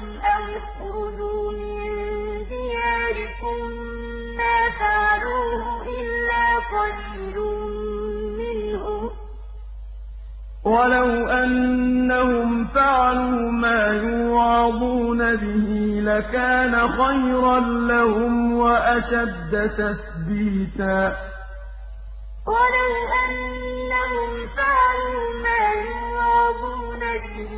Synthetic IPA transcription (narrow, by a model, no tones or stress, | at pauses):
ʔawx | ɾʊd͡ʒuːmɪnd̪ɪjaːɾɪkʊmː | aːfaʕaluːhʊʔɪlːaːfɑd͡ʒːɪɾu | mɪnhʊ | walawʔanːahʊmfaʕaluːmaːjʊwɑːd̪ˤuːnabɪhilakaːnaxajɾɑnlahʊmwaʔaʃad̪ːat̪aθbiːt̪aː | walawʔanːahʊmfaʕaluːmaːjʊwɑːd̪ˤuːnabɪh